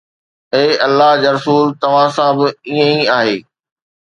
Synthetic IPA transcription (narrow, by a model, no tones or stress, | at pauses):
eːʔɐlːaɦd͡ʑaːɾɐsuːlt̪ɐʋ̤ãsãbɪiə̃iaːɦeː